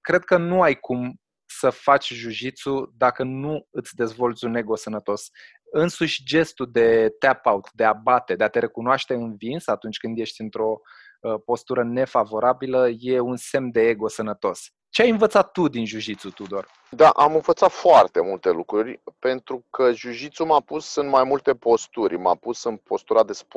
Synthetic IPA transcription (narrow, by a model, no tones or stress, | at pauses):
kɾe̞d̪̚kənuajkʰum | səfat͡ʃʲʒuʃit̪sud̪akənuɨt̪sʲd̪e̞zvo̞lt̪sʲune̞ɡo̞sənət̪o̞s | ɨnsuʃʲd͡ʒe̞st̪ud̪e̞t̪eapaut̪d̪e̞abat̪e̞d̪eat̪e̞ɾe̞kunoaʃt̪e̞ɨnvinsat̪unt͡ʃʲkɨnd̪je̞ʃt̪ʲɨnt̪ɾo̞ | po̞st̪uɾəne̞favo̞ɾabiləje̞unse̞md̪e̞eɡo̞sənət̪o̞s | t͡ʃeajɨnvət̪sat̪ːud̪inʒuʃit̪sut̪ud̪or | d̪aʔamɨnvət̪sat̪foart̪e̞mult̪e̞lukɾurʲpe̞nt̪ɾukʰəʒuʃit̪sumapusːɨnt̪majmult̪e̞po̞st̪uɾʲma̰pusɨnpo̞st̪uɾad̪e̞sp